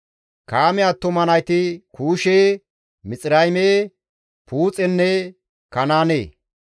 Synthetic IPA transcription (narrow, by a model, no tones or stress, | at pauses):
kaːmɛat̪ːʊmɐnɐjt̪ɪkuːʃeː | mɪt͡sʼɪɾɐjmeː | puːt͡sʼɛnːɛ | kɐnaːnḛː